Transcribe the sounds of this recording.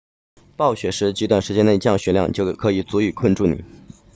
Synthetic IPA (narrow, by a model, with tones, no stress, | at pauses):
pɑ˥˩ʊɕɥɛ˧˥ʂɻ̩˧˥t͡ɕi˧˥t̪wa˥˩nʂɻ̩˧˥t͡ɕjɛ˥ne˥˧t͡ɕjɑ˥˩ŋɕɥɛ˧˥ljɑ̰˥˧ŋt͡ɕjo˥˩ʊkʰɤ˧˥i˨˩t͡su˧˥y˨˩˦kʰə˥˧nʈ͡ʂu˥˩nḭ˨˩˦